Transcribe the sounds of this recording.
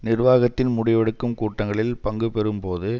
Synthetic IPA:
nɪrʋaːɣɐt̪ːɪnmʊɽɪʋɐɽɯkːɯmkuːʈːɐŋɡɐɭɪlpɐŋɡɯpɛɾɯmpoːðɯ

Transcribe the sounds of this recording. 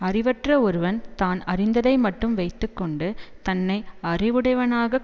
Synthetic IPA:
ɐrɪʋɐʈrɐɔɾɯʋɐnt̪aːnɐrɪnd̪ɐðɐɪmɐʈːɯmʋɐɪt̪ːɯkːɔɳɖɯt̪ɐnːɐɪɐrɪʋɯɽɐɪʋɐnaːɣɐ

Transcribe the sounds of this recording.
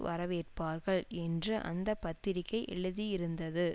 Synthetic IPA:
ʋɐɾɐʋeːʈ̚paːɾɣɐɭɛndrɯʔɐ̰nd̪ɐpːɐt̪ːɪɾɪkːɐɪʔɛ̰ɭɯðijɪɾɯnd̪ɐðɯ

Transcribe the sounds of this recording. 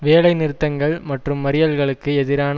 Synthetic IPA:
ʋeːlɐɪnɪɾɯt̪ːɐŋɡɐɭmɐʈrɯmːɐɾɪjɐlɣɐɭɯkːɯɛðɪɾaːn

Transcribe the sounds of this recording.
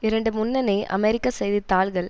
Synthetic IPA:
ɪɾɐɳɖɯmʊnːɐnɐɪʔɐ̰mɛɾɪkːɐsɛjðit̪ːaːɭɣɐɭ

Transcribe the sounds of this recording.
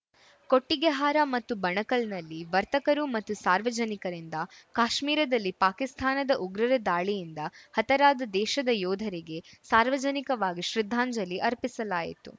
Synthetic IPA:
koʈːiɡeɦaːɾɐmɐt̪ːubɐɳɐkɐlnɐlːiʋɐɾt̪ɐkɐɾumɐt̪ːusaːɾʋɐd͡ʒɐnikɐɾind̪ɐkaːʃmiːɾɐd̪ɐlːipaːkist̪ʰaːnɐd̪ɐʔuɡɾɐɾɐd̪aːɭijind̪ɐhɐt̪ɐɾaːd̪ɐd̪ɛːʃɐd̪ɐjɔːd̪ʱɐɾiɡe̞saːɾʋɐd͡ʒɐnikɐʋaːɡiʃɾid̪ʱːaːɲd͡ʒɐlːiʔɐɾpisɐlaːjḭt̪ṵ

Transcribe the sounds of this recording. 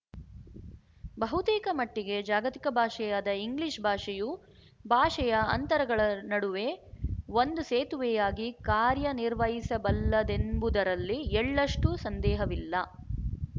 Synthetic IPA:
bɐɦut̪iːkɐmɐʈːiɡe̞d͡ʒaːɡɐt̪ikɐbʱaːʂɐjad̪ɐiŋɡliʂbʱaːʂiju | bʱaːʂɐjɐɐ̰nt̪ɐɾɐɡɐɭɐnɐɽuʋe̞ʋond̪useːt̪uʋɛjaːɡikaːɾjɐniɾʋɐɦisɐbɐlːɐd̪enbud̪ɐɾɐlːiɛɭːɐʂʈusɐnd̪ɛːɦɐʋilːɐ

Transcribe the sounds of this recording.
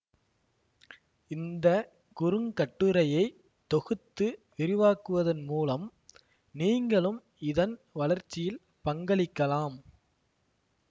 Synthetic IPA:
ɪnd̪ɐ | kʊɾɯŋkɐʈːɯɾɐjɐɪ | t̪ːɔɣɯt̪ːɯʋɪɾɪʋaːkɯʋɐðɐnmuːlɐm | niːŋɡɐɭɯm | ɪðɐnʋɐlɐɾt͡ʃːɪjɪl | pɐŋɡɐɭɪkːɐlaːm

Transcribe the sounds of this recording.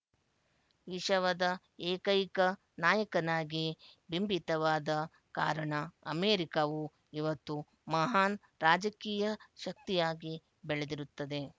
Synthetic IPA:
ʋiʃɐʋɐd̪ɐ | eːkɐjkɐ | naːjɐkɐnaːɡibimbit̪ɐʋaːd̪ɐ | ka̰ːɾɐɳɐɐmeːɾikɐʋu | iʋɐt̪ːu | mɐɦaːn | ɾaːd͡ʒɐkiːjɐʃɐk̚t̪ijaːɡi | beɭed̪iɾut̪ːɐd̪e̞

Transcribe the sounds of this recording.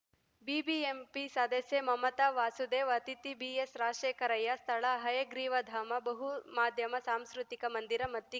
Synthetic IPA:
bibiempisɐd̪ɐsjemɐmɐt̪ɐʋaːsud̪eːʋɐt̪it̪ibiesɾaːʂeːkɐɾɐjːɐst̪ʰɐɭɐɦɐjɐɡɾiːʋɐd̪ʱaːmɐbɐɦumaːd̪ʱjɐmɐsaːmskɾut̪ikɐmɐnd̪iɾɐmɐt̪ːi

